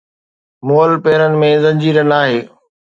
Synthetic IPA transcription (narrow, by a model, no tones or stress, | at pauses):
moːəlpeːɾənɪ̆mẽzɐ̃ɲd͡ʑiːɾənaːɦeː